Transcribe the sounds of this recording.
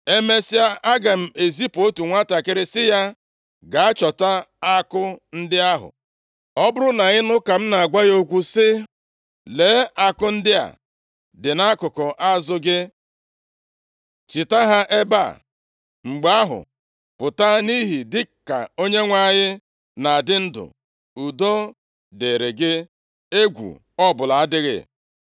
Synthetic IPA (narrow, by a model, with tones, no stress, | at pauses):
e˦me˦sɪ˦a˦ʔa˦ɡa˨m̩˦e˨zi˦po˦tu˨ŋʷa˦ta˨kɪ˦ɾɪ˦sɪ˦ja˦ | ɡa˨a˦t͡ʃɔ˨ta˦a˦kʊ˦n̩˦dɪ˦a˦ɦʊ̰˨ | ɔ˦bʊ˦ɾʊ˦na˨ɣɪ˦nʊ˦ka˨m̩˦na˨a˨ɡʷa˦jo˦kʷu˦sɪ˦ | leː˨˦a˨kʊ˦n̩˦dɪ˦a̰˨ | dɪ˨na˦kʊ˨kɔ˨ʔa˦zʊ˦ɡɪ˦ | t͡ʃi˨ta˦ɦa˦ʔe˦ba̰˦˨ | ŋ͡m̩˨ɡ͡ba˦a˦ɦʊ̰˨ | pʊ˨ta˦ni˦ɦi˨dɪ˦ka̰˨o˦ɲe˦ŋʷa˦˨ɲɪ˦ | na˨a˨dɪ˦n̩˦dʊ̰˨ | u˨do˦ | de˨ɾe˨ɡɪ˦ | e˦ɡʷṵ˨ | ɔ˦˨bʊ˨la˨a˦dɪ˦ɣɪ̰˦˨